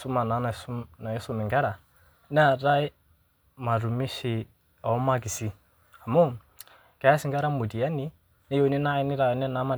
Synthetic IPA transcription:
su˦ma˨na˨˦na˨sna˨jɛ˦sʊ˦mɛ˨ŋɡa˦ɾa˨ | nɛ˦a˨ɾa˦ɪ˦ | ma˨ɾu˨mi˦ʃi˨ | a˨˦ma˦k̬i˨si˦ | ha˨mo˦ | ka˨˦a˦sɪ˦ŋɡa˦ɾa˦mu˨di˨ja˦ni˦ | nɛ˦jo˨ni˦na˦ɪ˦ni˦ɾa˨ɔ˨˦nɛ˦na˨˦ma˨

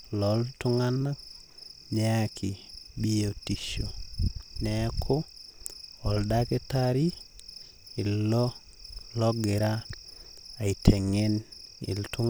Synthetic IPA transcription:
lɔ˨ltu˦ŋa˦na˦k̚ | ɲɛ˦a˨kʰi˨bi˦o˨ti˨ʃo˨nɛkʰo˦ | ɔ˨lda˦ke˦taɾi˦ | i˨lɔ˦ | lɔ˦ɡe˨ɾa˦ | a˨itʰɛ˨ŋe˦nḭ˨ltu˦ŋ

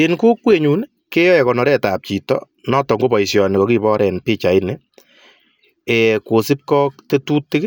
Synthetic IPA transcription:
inku˦kwe˦ɲu˨n | ke˦jɔ˦jɛ˨kɔ˨nɔ˨ɾɛ˦ta˨p̚t͡ʃi˨tɔ̰ | nɔ˦tɔ˨ŋɡo˦bɔ˨isjɔ˨ni˨kɔ˨ki˦βɔ˦ɾʔɛ˨npi˦t͡ʃa˨i˦ne | e˨ko˨sɪ˦p̚kɔ˦k̚te˦tu˦tːɪ˦k

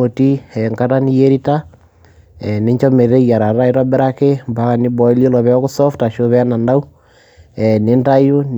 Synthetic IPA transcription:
o˨ti˦ɛ˨ŋka˦ta˦ni˦je˦ɾi˦ta˦ | ɛ˨ne˦ɲt͡ʃo˦me˨ɾe˦ija˨ɾa˨ɾa˦i˦ɾa˦be˦ɾa˦ke˦mba˨ɣa˨ni˦bɔ˨i˦li˦lɔ˨βɛɔ˦ɣu˦sɔ˦fta˨ʃo˦βɛ˦na˨nda˦u˦ | ɛ˨ne˦nda˦i˦o˦n

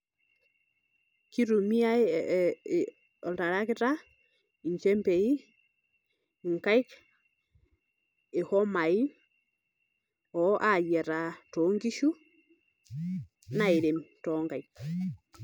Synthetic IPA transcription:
ki˦ɾu˨mi˦a˦ | ɔ˨ta˨ɾa˦kɪ˦ɾa˦ | i˨ɲt͡ʃɛ˦mpe˨i˦ | ŋka˦i˦k | e˨hɔ˦ma˨i˦n | ɔ˨ʔa˦˨jɛ˨ɾa˨toŋɡi˦ʃu˦ | na˦˨e˨ɾe˨mtɔ˨ŋɡa˨jk̚

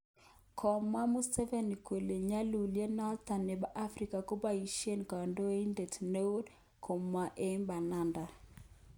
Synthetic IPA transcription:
kʰɔ˨ma˦mu˦sɛ˦vɛ˨ni˨kwe˨le˨ɲa˦lu˨lje˦na˦ta˨ne˨ba˨ʔa˦fri˨ka˨ko˦ba˨i˨ʃe˦nka˨ndo˦i˦nde˨tne˦o˦d | kʰɔ˨ma˦˨ʔe˦mba˨na˦nda˨

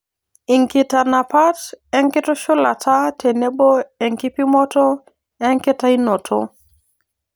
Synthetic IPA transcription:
i˨ŋkɪ˨ta˨na˨pa˦tɛ˦ŋkɪ˦tɔ˦ʃʊ˦la̰˨tʰa˦tʰe˨ne˦bo˦ɛ˨ŋki˦pi˦mɔ˦tɔ˦ | ɛ˦ŋkɪ˦ta˦i˦no˨tʰo̰˦

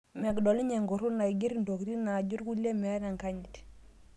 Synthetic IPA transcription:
mɛ˨kdo˨li˦ɲe˨ŋɡu˨ɾu˦na˨i˨ɡi˦ɾndo˨kɾi˦na˨ɟu˦ɾɡu˦le˦mɛ˨˦ɾa˨ŋka˦ɲi˨t

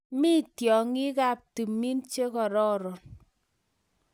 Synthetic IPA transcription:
mi˦tjɔ˨ŋi˦ka˦p̚ti˨mi˦nt͡ʃe˦kɔ˨ɾɔ˦ɾɔ˨n

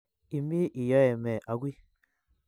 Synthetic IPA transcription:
i˨mi˦ʔi˨jɔ˦ɛ˨mɛ˨ʔa˨ɡʷi˦

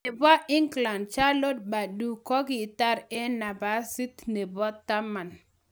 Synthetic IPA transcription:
ne˨ba˦ʔɪ˦ŋɡla˨ndt͡ʃa˦lo˦d̚ba˨du˨kɔ˦ɡɪ˦˨t̪a˦ɾɛ˦na˨ba˨˦si˦t̪ne˨bɔ˦t̪ːa˦ma˨n

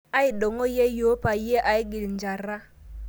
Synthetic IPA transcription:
a˦i˨ɗɔ˨ŋɔ˦je˦jo˦pa˨je˦ʔa˨i˦ɡi˨li˨nd͡ʒa˨ɾa˦

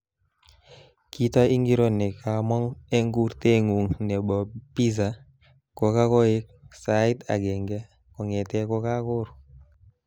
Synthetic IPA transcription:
ki˦tɔ˦i˦ŋɡi˦ɾo˦nɛ˨ka˨mɔ˦ŋɛ˦ŋɡu˦ɾte˦ŋu˨ŋnɛ˨bɔ˨pi˦z̬a˨ | ko˨ka˦kɔ˦e˦k̚sa˨ɪ˦ta̰˨ɡɛ˨ŋɡɛ˦ | kɔ˨ŋɛ˨tɛ˦ko˦ka˦kʊ˦ɾ

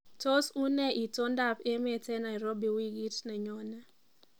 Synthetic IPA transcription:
to˦su˦nɛ˦ʔi˨to˦nda˦˨pe˦me˨tɛ˦na˨i˨ɾo˦bi˨wi˦ɡi˦tnɛ˨ɲɔ˨na˦

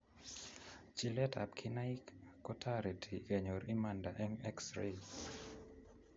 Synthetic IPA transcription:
t͡ʃi˦lɛ˦tʰa̰˨p̚kʰi˦na˦ikːɔ˦tʰaɾe˨tʰi˨ɡɛ˨ɲo˨ɾi˦ma˨nda˨ʔɛ˦ŋɛ˦ksɾe

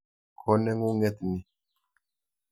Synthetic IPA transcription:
kʰɔ˦nɛ˦ŋu˦ŋɛ˦t̪ni˨

